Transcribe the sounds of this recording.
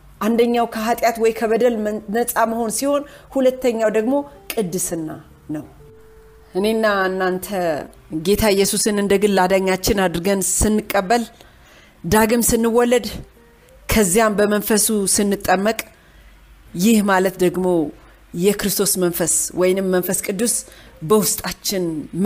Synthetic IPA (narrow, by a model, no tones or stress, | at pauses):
ʔand̪əɲːawkʰəɦat̪ʼjat̪wɔjkʰəβəd̪əlnəsʼaməho̞nsiho̞nhulət̪ːəɲːawd̪əɡmo̞kʼɨd̪ːɨsɨnːa | nəw | ʔɨne̞nːaɨnːant̪ʰə | ɡe̞t̪ʰaɪjːɛsusɨnɨnd̪əɡɨllad̪aɲːat͡ʃːɪnad̪ɾɨɡənsɨnːɨkʼːəbːəl | d̪aɡɨmsɨnːɨwːɔlːəd̪ | kʰəzːijambəmənfəsusɨnːɨt̪ʼːəmːəkʼ | jɪhmalət̪d̪əɡmo̞ | jɛkɾɨst̪ʰo̞smənfəswɔjnɨmːənfəskʼɨd̪ːusbəwʊst̪ʼat͡ʃːɪnm